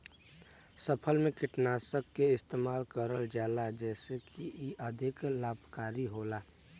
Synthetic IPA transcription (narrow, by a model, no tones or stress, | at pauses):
səpʰəlmẽkɪʈnaːsəkːeɪst̪eːmaːlkəɾəld͡ʒaːlad͡ʒɛːsekʰiiʔəd̪ʱɪklaːbkaːɾiɦoːlaː